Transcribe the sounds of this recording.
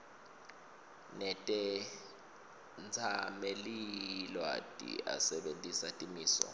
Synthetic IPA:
nɛtʼɛ | nt͡sʰamelilwa̰tʼḭa̰sɛɓentʼisatʼimiːsɔ̰

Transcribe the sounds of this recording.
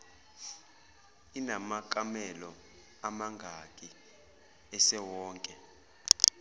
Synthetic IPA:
inamakʼamɛlɔ | amaŋɡʱakʼi | ɛsɛwɔːŋkʼɛ

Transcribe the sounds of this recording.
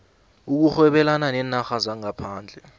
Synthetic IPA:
uk̬uxwɛɓɛlananɛnaxazaŋapʰaːnd͡ɮʱɛ

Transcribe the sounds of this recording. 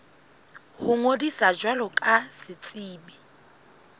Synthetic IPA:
hʊŋodisad͡ʒwalɔkʼasɪt͡sʼiːbi

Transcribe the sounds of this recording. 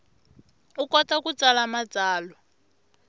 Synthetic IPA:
ukɔtakut͡salamad͡zaːlɔ

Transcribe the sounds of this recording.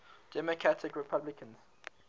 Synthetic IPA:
d̥ɛməkʰɹatʰɪkɹɛpʰablɪkʰə̃nz̥

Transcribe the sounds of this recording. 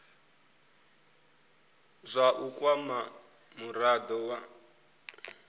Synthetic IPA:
zʷaʔukʼwama | muɾad̪ɔwa

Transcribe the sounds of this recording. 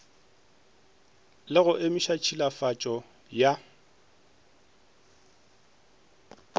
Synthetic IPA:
lɪɣʊʔɪmɪʃat͡ʃʰilafat͡ʃʼɔ | ja

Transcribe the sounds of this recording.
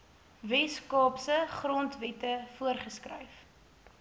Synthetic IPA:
vɛskɑːpsəχrɔntvɛtəfuərχəskrə̰jf

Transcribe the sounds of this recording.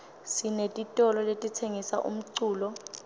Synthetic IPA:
sinetʼitʼɔlɔletʼitʰeŋisa̰ʔṵm̩ǀuːlɔ

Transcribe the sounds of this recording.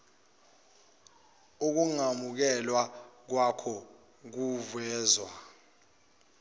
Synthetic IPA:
uk̬uŋamuk̬ɛlwak̬wakʰɔ | k̬uvɛːzwa

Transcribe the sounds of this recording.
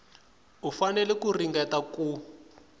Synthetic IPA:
ɦufanɛlɛkuriŋɡɛtaku

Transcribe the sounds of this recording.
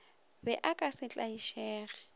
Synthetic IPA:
bɛʔakʼasɪt͡ɬʼaiʃɛːɣɛ̥

